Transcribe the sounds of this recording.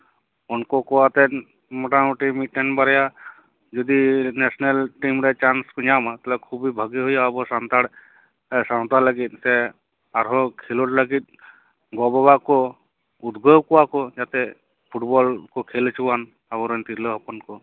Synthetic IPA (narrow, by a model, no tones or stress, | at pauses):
ɔnkɔkɔwat̪ɛ | mɔʈamuʈimiʈeɳɖbaɾja | d͡ʒɔd̪inesnelʈimɾɛt͡ʃanskɔɲamat̪alɛkʰubʱibʱəɡiɦujaːbɔɾsant̪aɽ | saw̃t̪aləɡit̪̚sɛ | aɾɦɔkʰelɔʈləɡit̪̚ | ɡɔbɔbakɔ | ud̪ɡɔwkɔwakɔd͡ʒat̪ɛ | pʰuʈbɔlkɔkʰelt͡ʃʰuwan | abɔɾɔnt̪iɾleɦɔpɔnkɔ